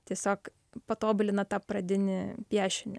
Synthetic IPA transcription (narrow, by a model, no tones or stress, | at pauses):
t̪ʲiɛsʲoːk | pɐt̪oːbʊlʲɪnɐt̪ɑːpɾɐd̪ʲɪnʲɪpʲæːʃʲɪnʲɪ